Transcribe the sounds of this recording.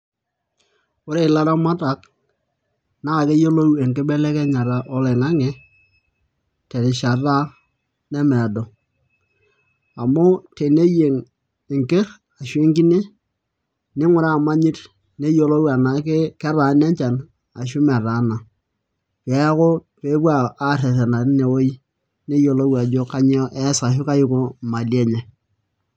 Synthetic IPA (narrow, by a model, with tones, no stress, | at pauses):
o˦ɾe˨la˦ɾa˦ma˦ta˨˦k | na˦ka˨ke˦jo˦lo˦we˨ŋke˦bɛ˦lɛ˦kɛ˦ɲa˨ɾa˨ʔɔ˦lɛ˨ŋa˦ŋe˨ | te˨ɾɪ˨ʃa˨ɾa˦ | nɛ˦mɛ˨dɔ˨ | a˨mo˦te˨ne˦je˨ŋ | ɪ˨ŋke˦ɾ | a˨ʃwe˦ŋki˦ne˦ | nɪ˦ŋʷʊ˦ɾa˦˨ma˦ɲi˦t | ne˦jo˨lo˦wa˨na˨˦ke˦kɛ˦ɾa˨˦ne˦ɲt͡ʃa˨n | a̰˨ʃ̬ʊ˦mɛ˨ɾa˨˦na˨ | pe˨˦ko˦ | pe˦bwa˦a˦˨ɾe˨ɾe˨na˨ɾi˦ne˨wo˦i˦ | ne˦jo˨lo˦wa˨d͡ʒo˦ka˦ɲ˦ɔ˦ʔɛ˦sa˨ʃʊ˦ka˦jʊ˦ko˦ma˨lje˦ɲɛ˨